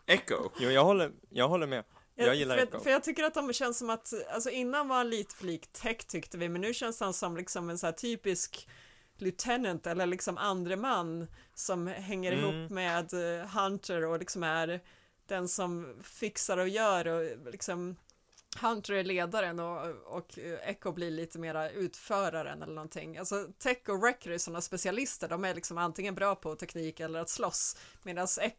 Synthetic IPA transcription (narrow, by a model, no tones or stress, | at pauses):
ɛko̰juːjɑːɡhɔlːəjɑːɡɦɔlːəɾmɛ | jaɑjɪlːɾfœjɑːɡ̚t̪ʰʏkːəɾat̪̚d̪ɔmɕɛnːssɔmat̪alsɔɪnːanvaɾanliːt̪ə̥fliːkt̪ʰːɛkt̪ʰːʏkt̪əvɪmɛnːʉːɕɛnst̪əhansɔmlɪksɔmɛnsæːʈʰyːpɪsk | lʉt̪ʰɛnənt̪ɛlːəɭɪksɔmʔand̪ɾəmanːsɔmɦɛŋːəɾɪɦuːpːmeːd̪ɦant̪əɾɔlɪksɔmæɾ | d̪̥ɛnsɔmfɪksaɾɔjœːɾɔlɪksɔm | hant̪əɾæɭeːd̪aɾənɔɔkʰɛkːʊbliɭiːt̪ʰəmeːɾaʉ̟ːt̪fœːɾaɾə̰nɛ̰lːəɳɔnt̪ʰɪ̰ŋːalsɔt̪ʰɛkːʊɾɛkːəɾæʂɔnːaspɛsɪalɪst̪əɖɔmæɭɪksɔmant̪ʰɪŋːənbɾɑːpʰɔt̪ʰɛkniːkɛlːəɾat̪slɔsmeːd̪ansɛ